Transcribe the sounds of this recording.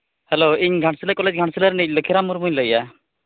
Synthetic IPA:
hɛloːiɲɡʱaʈsələkɔled͡ʒɡʱãɳ̃sələɾniləkʰiɾamuɾmuɲləja

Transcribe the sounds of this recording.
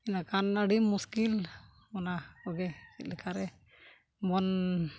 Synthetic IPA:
inakanaɖimːuskil | ɔnakɔɡɛkit̪̚lɛkʰaɾɛ | mɔn

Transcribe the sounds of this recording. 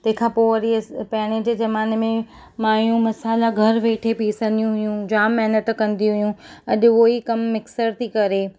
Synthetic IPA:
t̪ɐ̃ɦɪ̃kʰãːpoːɐɾipɛːɽ̃ed͡ʑd͡ʑɐmaːnmẽ | maːijũmɐsaːlaɡʱɐɾʋeːʈʰepiːsɐ̃nd̪ijũɦʊjũd͡ʑaːmːɛɦnət̪kɐ̃nd̪ij̃ɦʊjũɐʄʊ̆oːikɐmːɪksəɾt̪ʰikɐɾe

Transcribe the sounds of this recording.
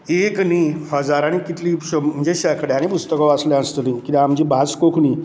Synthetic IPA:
eknihəd͡zaɾaɽ̃ikit̪ʰlipɕəm̤əd͡ʑeɕəkɽeaɽ̃ipust̪əkɔʋasljɛəst̪lĩnkit̪amd͡ʑiːbʱat͡skokʰniː

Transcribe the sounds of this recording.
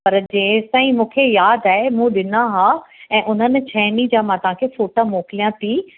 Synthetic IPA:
pɐɾd͡ʑeːsãːĩmũːkʰejaːd̪aːɦemũːɗɪnaɦaːɛ̃ːʔʊn̤ənɪ̆t͡ɕʰaːnid͡ʑãːmãːt̪ɐʋ̤ãkʰefoːʈamoːkɪlijãt̪ʰi

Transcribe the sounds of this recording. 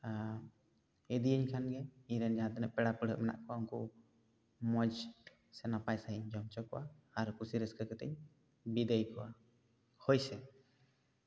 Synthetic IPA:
ɛd̪ijəɲkʰanɡɛiɲɾɛnd͡ʒaɦãt̪ɛnɛʔpɛɽapəɽ̤əʔmɛna̰ʔkʰɔauŋku | mɔd͡ʒ | sɛnapajsaɦɛɲd͡ʒɔmt͡ʃɔkɔwaːɾkusiɾɛskəkɛt̪ɛ̰ɲ | bid̪əjkɔwa | hɔjsɛ

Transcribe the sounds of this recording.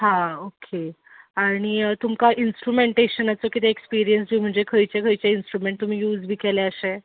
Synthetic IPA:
ɦãokʰe | aɽ̃it̪umkaʔinsʈɾumeɳʈeɕənat͡səkit̪eekspiɾijənsd͡ʑiːm̤əɳd͡zekʰəjt͡ɕekʰəjt͡ɕainsʈɾumeɳʈ̚t̪ːum̤iːjuːd͡zbʱiːkeleəɕe

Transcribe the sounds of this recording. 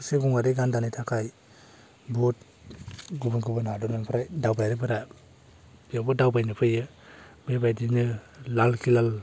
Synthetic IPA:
seɡuŋaɾeɡandanajtʰakʰaj | bot̚ | ɡubɯnɡubɯnadɔnɯnpʰɾajdawbajɾɯbɯɾa | bijabɔdawbajnɯpʰɯjɯ | bebajdinɯlalkʰilal

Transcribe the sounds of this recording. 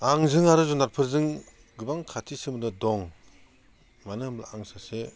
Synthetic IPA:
aŋzɯŋaɾɯzɔnaɾpʰɯɾzɯŋ | ɡɯbaŋkʰatʰisɯmɯdɯdɔŋ | manɯmla̰aŋsase

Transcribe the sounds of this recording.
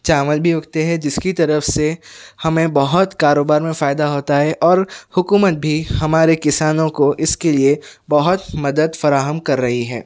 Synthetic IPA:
t͡ʃaːməlbʱiʊɡt̪eɦɛd͡ʒɪskit̪ɐɾəfsehɐmẽbɐɦʊt̪kaːɾoːbaːɾmẽfaːɪd̪aɦoːt̪aɦɛʔɔːɾhʊkuːmət̪̚bʱihɐmaːɾekɪsaːnõkoʔɪskeliebɐɦʊt̪mɐd̪əd̪fɐɾaːɦəmkɐɾːɐɦiɦɛ̰ː

